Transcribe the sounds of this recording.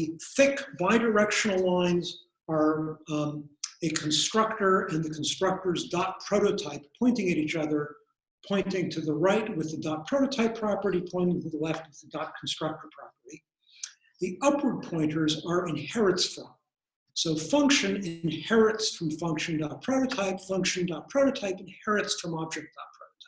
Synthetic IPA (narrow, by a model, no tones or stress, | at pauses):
ðɨθɪkb̥aɪdə˞ɛkʃɨnl̩ˠlãɪ̃nz | ə˞ | ɨkʰn̩stɹ̥ʌk̚tə˞ɨ̃nðɨkʰn̩stɹ̥ʌk̚tə˞zdɑt̚pʰɹ̥oʊɾoʊtʰaɪppʰɔ̃ɪ̃ntɪ̃ŋɨɾit͡ʃʌðə˞ | pʰɔ̃ɪ̃ntɪ̃ŋtʰɨðəɹaɪt̚wɨðɨdɑt̚pʰɹ̥oʊɾoʊtʰaɪpʰɹ̥ɑpə˞ɾipʰɔ̃ɪ̃ntɪ̃ŋtʰɨðəlɛft̚wɨðɨdɑt̚kʰn̩stɹ̥ʌk̚tə˞pʰɹ̥ɑpə˞ɾi | ðiʌpʰwə˞d̚pʰɔ̃ɪ̃ntə˞zə˞ɨ̃nhɛɹɨtsfɹʌ̃m | soʊfʌ̃ŋkʃɨ̃nɪ̃nhɛɹɨtsfɹʌ̃ɱfʌ̃ŋkʃɨ̃n̩dɑt̚pʰɹ̥oʊɾoʊtʰaɪpfʌ̃ŋkʃɨ̃n̩dɑt̚pʰɹ̥oʊɾoʊtʰaɪpɨ̃n̩hɛɹɨtsfɹʌ̃mɑb̚d͡ʒɛk̚t̚d̥ɑt̚pʰɹ̥oʊɾoʊtʰaɪ